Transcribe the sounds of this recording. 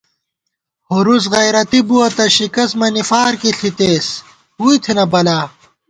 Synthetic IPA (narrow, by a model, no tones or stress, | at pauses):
hoɾus̬ɣɐjɾɐt̪ibuɐt̪ɐɕikɐsmɐnifaːɾkiɬit̪eːs | huit̪ʰenɐbɐlaː